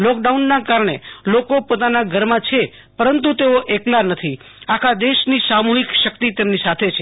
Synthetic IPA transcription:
lɔk̚ɖaunːakaɾɳelokopot̪anaɡʱəɾmãt͡ʃʰe | pəɾənt̪ut̪eoʔeklanət̪ʰi | akʰad̪eʃnisamuɦikʃəkt̪it̪emnisat̪ʰet͡ʃʰe

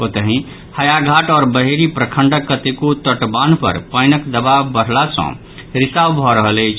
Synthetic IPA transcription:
ot̪əɦĩ | həjaɡʱaʈɔːɾbəɦeɾipɾəkʰəɳɖəkːət̪ekot̪əʈbanpə̰ɾpəjnəkd̪əbabəɽ̤lasə̰̃ | ɾisabbʱɔɾəɦələjt͡ʃʰ

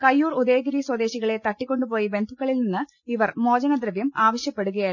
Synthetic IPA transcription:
kɐjːuːrud̪e̞ːɡɐɾiswɐd̪e̞ːɕiɣɐɭe̞t̪ɐʈːikʲːo̞ɳɖupo̞ːjibe̞nd̪ʱukːɐɭilninːɨ | iʋɐrmo̞ːd͡ʑɐnɐd̪rɐʋjɐmaːʋɐɕjɐpːe̞ɽuɣɐjaː

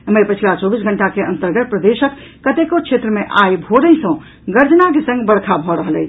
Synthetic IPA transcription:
məjpət͡ʃʰlat͡ʃɔbisɡʱəɳʈakeənt̪əɾɡət̪̚pɾəd̪eʃəkː | ət̪ekot͡ʃʰet̪ɾəmeʔajbʱoɾəɦĩsə̃ | ɡəɾd͡ʒnakesə̃ŋɡbəɽ̤kʰabʱɔɾəɦəlɛ

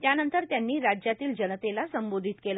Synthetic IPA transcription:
t̪janənt̪əɾt̪janːiːɾad͡ʑjat̪iːld͡ʑənət̪elasəmbod̪ʱit̪kela

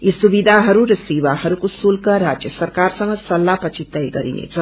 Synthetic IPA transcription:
isubid̪ʱaɦʌɾuɾʌsewaɦʌɾukosulkəɾad͡ʒjəsʌɾkaɾsʌ̃ŋɡʌsʌlːapʌt͡ʃʰit̪əjɡʌɾḭnḛt͡sʰʌ

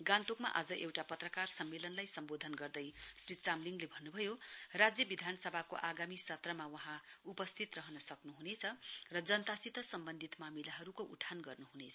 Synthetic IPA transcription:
ɡãnt̪okma̰ʔad͡zʌʔewʈapʌt̪rʌkarsʌmːelʌnlajsʌmbod̪ʱʌnɡʌrd̪ʌjsrit͡samliŋɡlebʱʌnːubʱʌjorad͡zjʌbid̪ʱanʌsʌbʱako̰ʔaɡamisʌt̪rʌmawʌɦãupʌst̪ʰit̪rʌɦʌnʌsʌknuɦunet͡sʰʌrʌd͡zʌnt̪asit̪ʌsʌmbʌnd̪ʱit̪mamilaɦʌɾukoʔṵʈʰanɡʌrnuɦunet͡sʰʌ

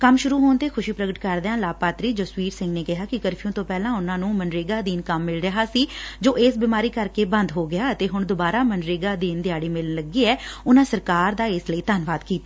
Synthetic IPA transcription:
kəmʃʊɾuːɦoːnt̪eːkʰʊʃiːpɾəɡəʈkəɾd̪ãːlaːpaːt̪ɾiːd͡ʒoːsʋiːɾsɪ̃ŋɡneːkɪɦaːkɪkəɾpʰijõːt̪õːpɛːlãːʊnãːnũːmənɾeːɡaːd̪iːnkəmːɪlɾəɦaːsiːd͡ʒoːʔeːsbiːmaːɾiːkəɾkeːbə̃nd̪ɦoːɡɪaːət̪eːɦʊɳd̪ʊbaːɾaːmənɾeːɡaːd̪iːnd̪ɪjaːɽiːmɪlənləɡiːɛːʊnãːsəɾkaːɾd̪aːɪsləiːt̪ənʋaːd̪kiːt̪a

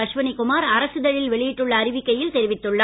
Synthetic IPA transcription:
ɐʂʋɐnɪkʊmaːɾɐɾɐsɯðɐɻɪlʋɛɭɪjɪʈːɯɭːɐːɾɪʋɪkːɐjɪlt̪ɛɾɪʋɪt̪ːɯɭːɐ

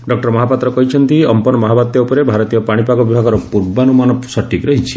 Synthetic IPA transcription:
ɖɔk̚ʈɔɾmɔɦapat̪ɾɔkɔɦit͡ʃʰɔnt̪iɔmpɔnɔmɔɦabat̪jɔopɔɾebʱaɾɔt̪ijɔpaɽ̃ipaɡɔbibʱaɡɔɾɔpuɾbanumanɔsɔʈʰːikɾɔɦit͡ʃʰi̥

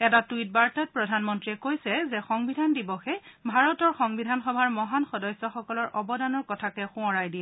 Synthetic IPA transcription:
ɛtatuit̚baɹtat̚pɹɔdʱanmɔntɹiɛkojsɛzɛxɔŋbidʱandibɔxɛbʱaɹɔtɔɹxɔŋbidʱanxɔbʱaɹmɔɦanxɔdɔjsɔxɔkɔlɔɹʔɔbɔdanɔɹkɔtʰakɛxʊ̃ɔ̃ɹajdiɛ

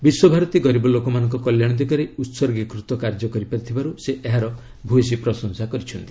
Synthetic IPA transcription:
biswɔbʱaɾɔt̪iɡɔɾibɔlokɔmanɔŋkɔkɔljaɽ̃ɔd̪ikɔɾeut̪sɔɾɡekɾut̪ɔkaɾd͡ʒɔkɔɾipaɾit̪ʰibaɾuseʔeɦaɾɔ | bʱues̬ipɾɔsɔnsakɔɾit͡ʃʰɔnt̪i̥

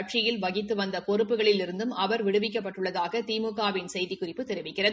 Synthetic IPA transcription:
ʈʂɪjɪlʋɐɣɪt̪ːɯʋɐnd̪ɐpɔrɯpːɯɣɐɭɪlɪɾɯnd̪ɯmɐʋɐɾʋɪɽɯʋɪk̬ːɐpːɐʈːɯɭːɐðaːɣɐt̪iːmɯɣaːʋɪnsɛjðɪkʊrɪpːɯt̪ɛɾɪʋɪkːɪrɐð

